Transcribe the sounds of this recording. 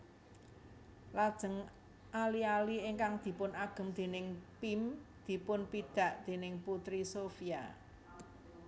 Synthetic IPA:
lad̥ʒ̥ə̤ŋ | alialiɪŋkaŋd̪̥i̤pʊnaɡ̥ə̤md̪̥e̤nɪŋpimd̪̥i̤pʊnpid̪̥ä̤ʔd̪̥e̤nɪŋput̪ɾisofija̰

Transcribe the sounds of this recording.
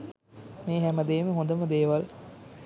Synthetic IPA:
meːɦæməd̪eːməɦõnd̪əməd̪eːʋal

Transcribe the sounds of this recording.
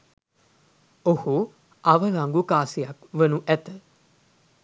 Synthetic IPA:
ohu | aʋəlaŋɡukaːsijakʋənuʔæt̪ə

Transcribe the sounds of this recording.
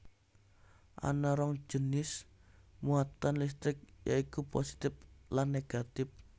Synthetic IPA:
ʔa̰naɾɔŋd͡ʒ̥ənɪsmuat̪anlis̬t̪ɾɪk̚jʔaikuposi̥t̪ɪp̚lanːeɡ̥at̪ɪp̚

